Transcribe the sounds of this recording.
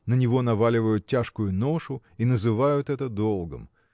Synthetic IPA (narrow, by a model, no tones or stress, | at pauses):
nənʲɪvo̞nɐvalʲɪvəjʊt̪̚ʲtʲaʂkʊjʊno̞ʂʊ | inəzɨvajʊt̪ɛt̪əd̪o̞lˠɡə̰m